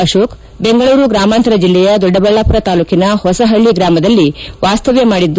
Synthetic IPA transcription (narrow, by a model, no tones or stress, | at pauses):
ɐʃoːk | beŋɡɐɭuːɾuɡɾaːmaːnt̪ɐɾɐd͡ʒilːɛjɐd̪ɔɖːɐbɐɭːapuɾɐt̪aːluːkinɐhɔsɐɦɐɭːiɡɾaːmɐd̪ɐlːiʋaːst̪ɐʋemaːɽid̪ː